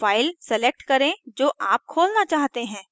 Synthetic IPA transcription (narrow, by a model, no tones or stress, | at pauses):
faːɪlsɛlek̚ʈkɐɾẽd͡ʒoːʔaːp̚kʰoːlnat͡ʃaːɦt̪eɦɛ̃ː